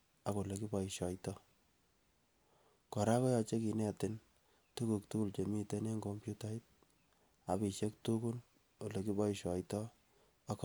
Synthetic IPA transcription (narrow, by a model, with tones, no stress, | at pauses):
a˨ko˨le˨ki˦bɔ˨i˨ʃɔ˨jtɔ˦ | kɔ˨ɾa˦kɔ˦jɔ˧t͡ʃe˦ki˨nɛ˦tɪ˦n | tu˦ku˨k̚tu˦ku˨lt͡ʃe˨mi˦te˦ne˦ŋɡo˦mpju˦ta˦i˦t̚ | a˨bi˨ʃe˦k̚tuku˦l | o˨le˨k̬i˦bɔ˦iʃɔ˨jtɔ˦ | ak